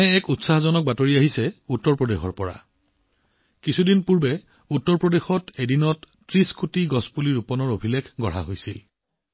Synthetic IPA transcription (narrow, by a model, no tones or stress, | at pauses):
ɛɛkutsaɦzɔnɔk̚batoɹiaɦisɛutːɔɹpɹodexɔɹpɔɹa̰ | kisʰudinpuɹbɛ | utːɔɹpɹodexɔtedinɔt | tɹiskʰutiɡɔspuliɹupɔnɔɹobʱilekʰɡɔɹ̤a̰ɦojsil